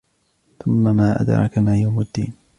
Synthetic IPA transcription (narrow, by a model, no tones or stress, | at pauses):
θʊmːamaːʔa̰d̪ɾˤɑ̰kamaːjawmad̪ːḭːn